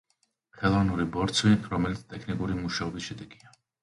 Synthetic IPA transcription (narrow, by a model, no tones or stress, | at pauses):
χɛlˠɔvanuɾibɔɾt̪sʰwiɾɔmɛlit̪sʰt̪ʼɛkʰnikʼuɾimuʃaɔbisʃɛd̪ɛɡia